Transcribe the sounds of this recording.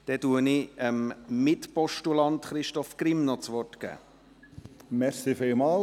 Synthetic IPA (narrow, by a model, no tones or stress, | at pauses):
d̥ɛtuənɪəmmɪt̪pɔʃtulɑnt̪χɾɪʃtɔfkɾɪmnɔt͡sʋɔrtkæ̰ː | mɛɾsifɪlmɑːl